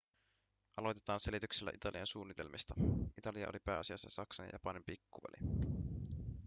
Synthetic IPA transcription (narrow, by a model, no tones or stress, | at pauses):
ʔɑlo̞jt̪e̞t̪ɑːnse̞lit̪ykselːæ̰ʔit̪ɑliɑnsuːnːit̪e̞̰lmʔist̪ɑit̪ɑliɑ̰ʔo̰lipæːɑsiɑsːɑsɑksɑn̰jʔɑpɑnimpikːuvæ̰lḭ